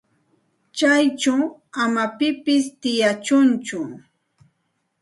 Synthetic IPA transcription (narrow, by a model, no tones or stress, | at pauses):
t͡ʃajt͡ʃawamapɪpɪst̪ɪjat͡ʃʊnt͡ʃʊ